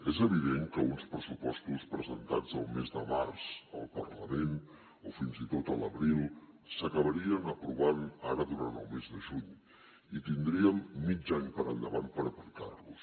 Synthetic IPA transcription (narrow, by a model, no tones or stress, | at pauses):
ezəβiðeŋkəunspɾəsupɔst̪uspɾəzənt̪a̰d͡zəlˠmezd̪əma̰rz̥əlˠpərləmen | ofinzit̪ot̪ələβɾilˠ | səkəβəɾiənəpɾuβanaɾəðuɾa̰nt̪ə̰lˠmezðəʒuɲ | it̪ind̪ɾiəmːid͡ʒaɲpəɾənd̪əβant̪pəɾəplit̪a̰rlus